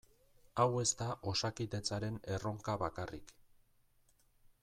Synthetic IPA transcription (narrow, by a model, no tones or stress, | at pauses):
awe̞st̪aʔo̞sakit̪e̞t͡saɾe̞ne̞ro̞ŋkaβakarḭk